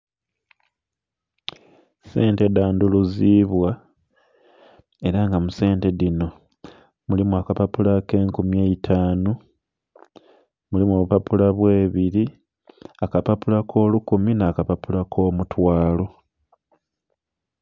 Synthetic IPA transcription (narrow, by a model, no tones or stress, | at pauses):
se̞ːnte̞daːnduluziːβwa | e̞ɾaŋɡamuse̞ːnte̞ðino̞ | mulimuakapapulake̞ːŋkumjeːitʰaːnu | mulimuo̞ːβupapulaβwe̞ːβiɾi | akapapulakʰo̞ːlukuminakapapulakʰo̞ːmutwaːlo̞